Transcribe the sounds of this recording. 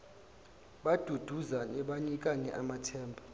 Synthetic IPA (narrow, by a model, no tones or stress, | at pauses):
ɓad̥ʱud̥ʱuzanɛɓaɲik̬ʼanɛʔamatʰɛːmbʱɔ